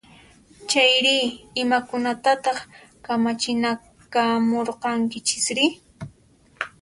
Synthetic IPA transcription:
t͡ʃajɾɪɪmakʊnat̪at̪ɑχkamat͡ʃɪna | kamoɾqɑŋkɪt͡ʃɪ̥sɾɪ

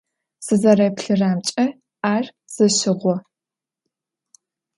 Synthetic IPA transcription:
sɨzɐrɐjpɬɨraːmt͡ʃʼɐ | aːr | z̥ɨɕɪʁʷɔ

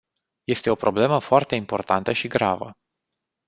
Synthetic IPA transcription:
je̞st̪e̞o̞pɾo̞ble̞məfoart̪e̞impo̞rt̪ant̪əʃiɡɾa̰və̰

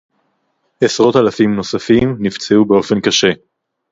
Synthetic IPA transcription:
esʁo̞t̪alafimno̞safimnivt͡seube̞o̞fe̞nkaʃe̞

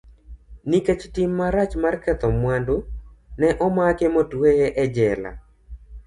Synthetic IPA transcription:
niket͡ʃtimːaɾat͡ʃmarkɛt̪ɔmwandonɛʔɔmakemotwejeʔɛd͡ʒɛla̰

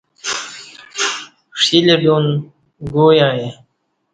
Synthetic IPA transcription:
ʂileɖun | ɡoːjãːje

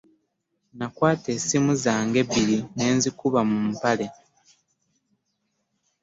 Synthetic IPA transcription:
nakwaːte̞simuzaːŋɡe̞bːiɾine̞ːnzikuβamum̩pale̞

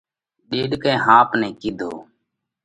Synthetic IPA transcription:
ɗeːɗkẽːɦãːpnɛ̃ːkɪd̪ʱoː

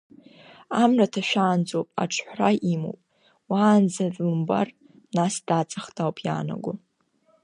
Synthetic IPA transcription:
amratʰaʃᶣaːnd͡zʼopʼa̰ʈ͡ʂʰħʷraimo̰pʼ | waːnzarʼɨmba̰r | nasd̥at͡sʼaχtʰʼawpʼʰja̰ːna̰ɡʷʊ

